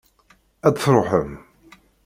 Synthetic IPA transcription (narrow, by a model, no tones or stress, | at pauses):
æd̪θɾˤoħəm